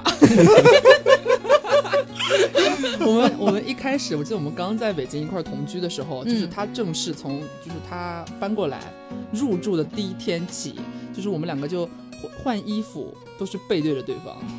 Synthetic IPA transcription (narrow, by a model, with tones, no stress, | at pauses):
wwɔ˨˩mə˦nwɔ˨˩mə˦nʔi˥˩kʰa˥ɪʂɻ̩˨˥wɔ˨˩t͡ɕi˥˧d̪ə˧wɔ˩mə˦nkɑ˥ŋt͡sa˥˩ɪpe˨˩ɪt͡ɕi˥ŋi˧kwa˥˩t̪ʰʊ˧˥ŋt͡ɕʰy˥d̪ə˨ʂɻ̩˧˥xo˧ʊt͡ɕo˥˧ʊ˥ʂɻ̩˧˥˧t̪ʰa˥ʈ͡ʂɤ˥˧ŋʂɻ̩˥˩t͡sʰʊ˧˥ŋt͡ɕjo˥˧ʊʂɻ̩˥˩t̪ʰa˥pa˥nkwɔ˥˩la̰˧˥ɪɻu˥˧ʈ͡ʂu˥˩d̪ə˩t̪i˥˩i˥t̪ʰjɛ˥nt͡ɕʰḭ˨˩˦t͡ɕjo˥˧ʊʂɻ̩˥˩wɔ˨˩mə˦nljɑ˨˩ɡə˦t͡ɕjo˥˧ʊ | xwa˥˩ni˥fṵ˨˩ | t̪o˥ʊʂɻ̩˥˧pe˥˧ɪt̪we˥˩ɪə˩t̪we˥˩ɪfɑ̰˧˥ŋ